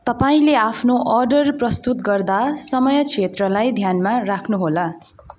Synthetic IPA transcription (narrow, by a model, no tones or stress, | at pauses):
t̪ʌpaĩleapʰnoʔʌrɖʌrprʌst̪ut̪ɡʌrd̪asʌmʌjʌt͡sʰet̪rʌlajd̪ʱjanmarakʰnuɦola